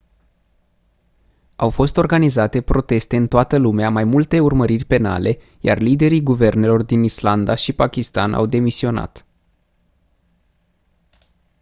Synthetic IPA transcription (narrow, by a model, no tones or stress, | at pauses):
awfo̞st̪o̞rɡanizat̪e̞pɾo̞t̪e̞st̪e̞ɨnt̪oat̪əlumeamajmult̪e̞urməɾirʲpe̞na̰le̞ | ja̰rlid̪e̞ɾiɡuve̞rne̞lo̞rd̪inisland̪aʃipakʲist̪a̰nʔa̰wd̪e̞misio̞na̰t̪